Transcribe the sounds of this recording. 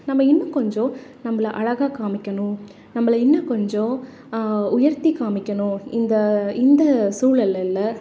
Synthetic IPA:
nɐmːɐɪnːɐkɔɲd͡ʒõnɐmːɐlʔɐɻɐɣaːkaːmɪkʲːɐnʊ̃ | nɐmːɐlɐɪnːɐkɔɲd͡ʒõ | ʊjɐɾt̪ikaːmɪkʲːɐnʊ̃ɪnd̪ɐɪnd̪ɐsuːɭɐlːɐlːɐ

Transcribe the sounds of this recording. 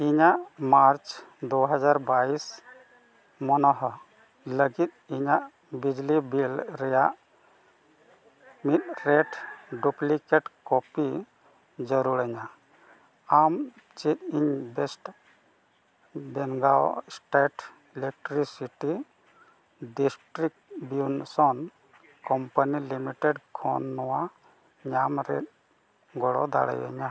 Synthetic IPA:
iɲaʔmaɾt͡ʃd̪uɦad͡ʒaɾbais | mɔnɔɦɔ | ləɡit̪̚iɲaʔ | bid͡ʒlibilɾɛjaʔ | mit̪̚ɾeʈɖuplikeʈkɔpi | d͡ʒəɾuɾəɲa | am | t͡ʃit̪̚iɲbɛsʈ | bɛŋɡaw̰sʈeʈ | ɛlɛk̚ʈɾisiʈi | ɖisʈɾik̚bjunsɔn | kɔmpənilimiʈɛɖkʰɔnːɔwa | ɲamɾɛ̰t̪̚ | ɡɔɽɔ̰d̪a̰ɽɛ̰jɛ̰ɲa

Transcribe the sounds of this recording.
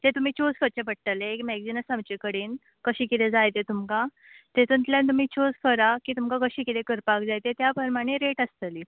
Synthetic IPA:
t̪et̪um̤iːt͡ɕoskəɾt͡ɕepəɽ̚ʈ̪əleekmɛɡd͡zinəsãmt͡ɕikəɽiːn | kəɕiːkit̪ẽd͡zajt̪et̪umka | t̪et̪uːnt̪ljãnt̪̬um̤iːt͡ɕʰoskəɾakiːt̪umkakəɕiːkit̪ʰekəɾpakd͡zajt̪et̪japəɾmaɽ̃eɾeʈəst̪əli

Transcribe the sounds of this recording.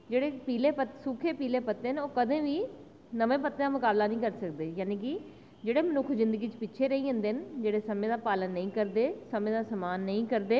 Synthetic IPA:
d͡ʒeːɽeːpiːleːpət̪sʊkʰeːpiːleːpət̪ːeːnoːkəd̪ẽːʋiː | nəʋẽːpət̪ːeːaːmʊkaːblaːnəĩːkəɾsəkd̪eːjaːniːk̬ɪ | d͡ʒeːɽeːmənʊkʰzɪ̃nd̪əɡiːt͡ʃpɪʃʰeːɾəiːɦə̃nd̪eːnd͡ʒeːɽeːsəmẽːd̪aːpaːlənːəĩːkəɾd̪eːsəmẽːd̪aːsəmaːnːəĩːkəɾd̪eː

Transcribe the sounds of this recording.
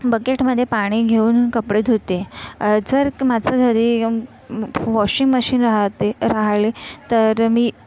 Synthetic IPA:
bəkeʈməd̪ʱːjepaɽ̃iːɡʱeuːnkəpɽet̪ot̪ed͡zəɾmad͡zʱəɡʱəɾiː | ʋɔɕiŋɡməɕiːnɾaɦt̪eɾaɦlet̪əɾmiː

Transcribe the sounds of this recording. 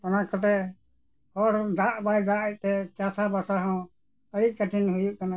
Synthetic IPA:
t̪ɔnakɔt̪ɛ | hɔɾd̪aʔbajd̪aʔət̪ɛt͡ʃasabasaɦɔ̃ | əɽik̚kəʈʰinɦujuʔkana

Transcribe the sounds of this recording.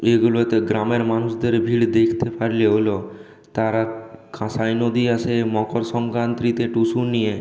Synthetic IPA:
eɡulot̪eɡɾameɾmanusd̪eɾbʱiɽd̪ekʰt̪epaɾleɦolo | t̪aɾakʰãsajnod̪iasemɔkɔɾsɔŋkɾant̪ɾit̪eʈusunije

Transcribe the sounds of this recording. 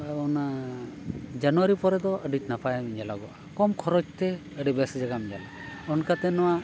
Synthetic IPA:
ɔna | d͡ʒanuwaɾipɔɾɛd̪ɔəɖit͡ʃnapʰajamiɲd͡ʒalaɡɔʔakɔmkʰɔɾɔd͡ʒt̪ɛ | əɖibɛsd͡ʒaɡamiɲd͡ʒa̰la | ɔnkat̪ɛnɔwa

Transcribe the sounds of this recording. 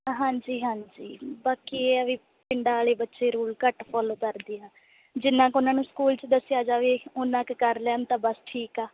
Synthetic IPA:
ɦãːɲd͡ʒiːɦãːd͡ʒiːbaːkieːəʋiː | pɪɳɖaːleːbətːʃeːɾuːlkəʈpʰɔːloːkəɾd̪iːãː | d͡ʒɪnːãːkʊnãːnũːskuːlt͡ʃd̪əsɪjaːd͡ʒaːʋiːʊnãːkkəɾlaːnt̪ãːbəsʈʰiːkaː

